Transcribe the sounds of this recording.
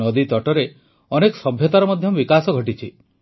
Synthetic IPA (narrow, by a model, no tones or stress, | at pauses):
ɔd̪it̪ɔʈɔɾe | ɔnekɔ̥sɔbʱjɔt̪aɾɔmɔd̪ʱjɔbikasɔɡʱɔʈit͡ʃʰi